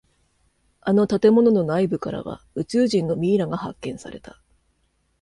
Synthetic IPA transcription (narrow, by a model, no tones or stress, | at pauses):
ano̞t̪at̪e̞mo̞no̞no̞naibɯ̟kaɾa̰βa̰ | ɯ̟t͡ɕɨːʑĩnːo̞mʲiːɾaɡaha̰kːẽ̞ɰ̃saɾe̞̰t̪ḁ